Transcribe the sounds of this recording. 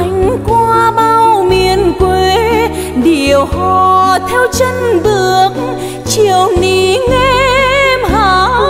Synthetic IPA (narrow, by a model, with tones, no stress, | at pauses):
a˨˧˦jŋ̟kwaː˧ɓaː˧wwmi˨˩˨ənkwe˧˩˦ | ɗi˨˩əwhɔ˨˩t̪ʰɛ˧wt͡ɕə˧nɓɨ˨˩ək̚ | t͡ɕi˨˩˨əwni˨˩ŋe˧˥mɦaː˧˦